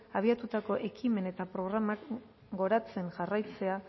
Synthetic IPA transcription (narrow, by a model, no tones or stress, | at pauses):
aβ̞iat̪ut̪ako̞ʔe̞kime̞ne̞t̪apɾo̞ɣ̞ɾamak | ɡo̞ɾat͡se̞nʝarajt͡se̞a